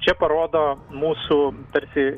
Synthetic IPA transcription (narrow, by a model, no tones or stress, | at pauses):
t͡ʃʲɛpɐɾoːd̪oːmuːsut̪ɐɾʲsʲɪ